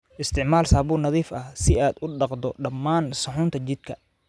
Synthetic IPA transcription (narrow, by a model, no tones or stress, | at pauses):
ʔɪst̪ʰɪʕmaːlsaːβuːnɐðiːfɐsɪaːd̪ʊɖɑqd̪ɔɖɐmːaːnsɐħʊːnt̪ʰɐt͡ʃɪd̪̥̚kʰɐ